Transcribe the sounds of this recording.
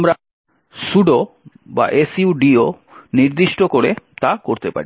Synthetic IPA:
mɾa | suɖo | ba̰ʔesiuɖio | niɾd̪iʃʈokoɾet̪akoɾt̪epa̰ɾi

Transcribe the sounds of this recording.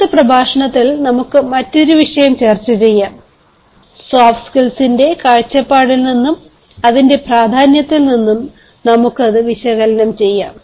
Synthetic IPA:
tɨprɐbʱaːʂɐɳɐt̪ːilnɐmukːɨmɐtːo̞ɾuʋiʂɐjɐmt͡ɕe̞ːrt͡ɕːut͡ɕe̞jːam | saːfskilsinde̞kaːɻt͡ɕːɐpːaːɽilninːum | ɐðinde̞praːd̪ʱaːnjɐt̪ːilninːum | nɐmukːɨɐðɨʋiɕɐɣɐlɐnɐmt͡ɕe̞jːa̰ːm

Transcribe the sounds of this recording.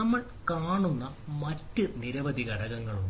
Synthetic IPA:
ɐmːɐɭ | kaːɳunːɐ | mɐtːɨniɾɐʋɐd̪iɣɐɽɐɣɐŋːɐɭu

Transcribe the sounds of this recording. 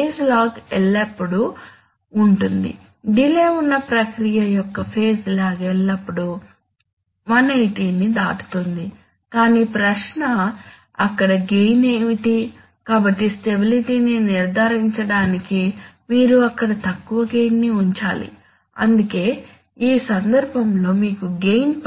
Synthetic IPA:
peːslaːɡɛlːɐpːuɽuː | ɳʈund̪ḭ | ɖileːunːɐpɾɐkɾijɐjɔkːɐpʰe̞ːslaːɡɛlːɐpːuɽu | mɐnɐjʈiːnid̪a̰ːʈu̥t̪ond̪i | kaːniːpɾɐʂnɐ | ɐkːɐɽɐɡejneʋiʈi | kaːbɐʈːisʈe̞biliʈiːniniɾd̪ʱaːɾiɲt͡ʃɐɽaːnikimiːɾuɐkːɐɽɐt̪ɐkːuʋɐɡe̞jnːiuɲt͡ʃaːlḭ | ɐ̰nd̪uke̞ː | iːsɐnd̪ɐɾbʱɐmlo̞ːmiːkuɡe̞jnp

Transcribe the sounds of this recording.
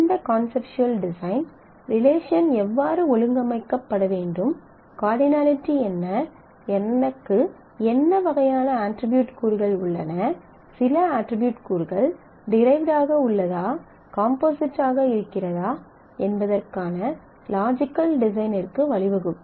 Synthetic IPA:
ɪnd̪ɐkaːnsɛpt͡ʃʊɐlɖɪsɐɪn | ɾɪleːʂɐnɛʋːaːɾɯɔɻɯŋɡɐmɐɪkːɐpːɐɽɐʋeːɳɖɯm | kaːɾɖɪnaːlɪʈːiɛnːɐ | ɛnːɐkːɯ | ɛnːɐʋɐɣɐjaːnɐaːʈɾɪbjuːʈkuːɾɣɐɭʊɭːɐ̰nɐ | sɪlɐaːʈɾɪbjuːʈkuːɾɣɐɭ | ɖɪɾɐɪʋɖaːɣɐʊɭːɐðaː | kaːmpoːsɪʈːaːɣɐɪɾɯkːɪrɐðaː | ɛnbɐðɐrkaːnɐ | laːd͡ʒɪkːɐlɖɪs̬ɐɪnɪrkɯʋɐɭɪʋɐɣɯm

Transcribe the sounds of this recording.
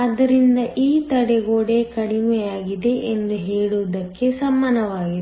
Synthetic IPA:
ɐd̪ɐɾind̪ɐʔiːt̪ɐɽeɡoːɽekɐɽimɛjaːɡid̪e̞ʔend̪uɦeːɭuːd̪ɐkːesɐmːaːnɐʋaːɡi

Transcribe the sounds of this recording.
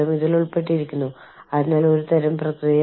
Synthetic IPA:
ɐmiðiluɭpe̞ʈ̬ːiɾikʲːunːu | ɐðinːaːlo̞ɾut̪ɐɾɐmprɐkrij

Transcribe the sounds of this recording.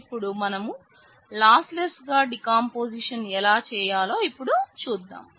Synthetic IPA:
pːuɽumɐnɐmu | laːslesɡaːɖikaːmpoːsiʂɐnɛlaːt͡ʃɛːjaːlo̞ːipːuɽut͡ʃuːd̪ːa̰ːm

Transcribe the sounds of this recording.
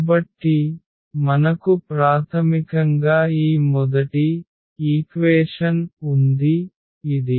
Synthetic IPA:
bɐʈːi | mɐnɐkupɾaːt̪ʰɐmikɐŋɡaːiːmɔd̪ɐʈi | iːkʋɛːʂɐnund̪iː | d̪i

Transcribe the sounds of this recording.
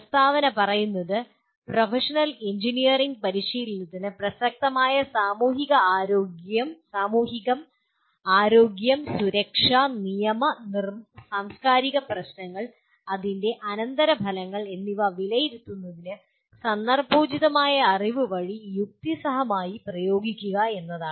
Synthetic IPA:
pɐst̪ʰaːʋɐnɐpɐrɐjunːɐðɨ | profeʂɐnɐleɲd͡ʑinijɐriŋɡ̚pɐɾiɕijilinɐðinɨprɐsɐk̚t̪ɐmaːjɐsaːmuːɦiɣɐaːɾo̞ːɡjɐmsaːmuːɦiɣɐm | aːɾo̞ːɡjɐmsuɾɐkʂaːnijɐmɐnirmsaːmskaːɾiɣɐprɐɕnɐŋːɐɭ | ɐðinde̞ʔɐnɐnd̪ɐɾɐbʱɐlɐŋːɐɭe̞nːiʋɐʋilɐjiɾut̪ːunːɐðinɨ | sɐnːɐrbʱuːd͡ʑiðɐmaːjɐːriʋɨʋɐɻijuk̚t̪isɐɦɐmaːjiprɐjo̞ːɡikʲːuɣɐe̞nːɐðaːɳɨ

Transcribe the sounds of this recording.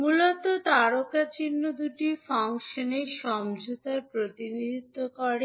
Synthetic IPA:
mulot̪ot̪aɾokat͡ɕinːod̪uʈifaŋʃoneʃɔmd͡ʑut̪aɾpɾot̪inid̪ʱit̪ːokɔɾe

